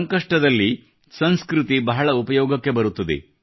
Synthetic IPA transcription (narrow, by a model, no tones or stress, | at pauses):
ɐŋkɐʂʈɐd̪ɐlːi | sɐnskɾut̪ibɐɦɐɭɐupɐjɔːɡɐkːe̞bɐɾut̪ːɐd̪ḛ